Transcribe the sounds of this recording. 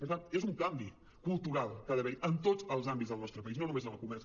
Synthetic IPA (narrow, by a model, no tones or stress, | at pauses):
pəɾt̪anezuŋkambi | kulˠt̪uɾalˠkaðəβɛjʔənt̪ozəlˠzambitzðəlˠnɔst̪ɾəpəiznonumezənəlˠkumɛrs